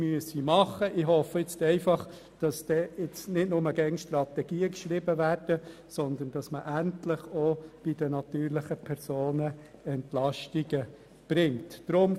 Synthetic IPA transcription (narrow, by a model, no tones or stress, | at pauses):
myəsimɑχəʔɪɦhɔfəɪt͡stɛɪfɑχ | d̥ɑsd̥ɛːɪt͡snɪtnʊməɡɛŋʃtrɑt̪ɛɡ̥iːəkʃɾɪbəværd̥əsɔnd̪ənd̥ɑsməʔæntlɪχob̥ɪd̥ənɑt̪yːɾlɪχəpʰɛɾsoːnəɛntlɑʃtiɡə | b̥ɾɪŋtd̥ɾʊm